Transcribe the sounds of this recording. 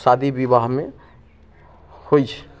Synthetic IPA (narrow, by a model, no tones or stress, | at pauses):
sad̪ʱibiβaɦme | hojt͡ʃʰɛ̥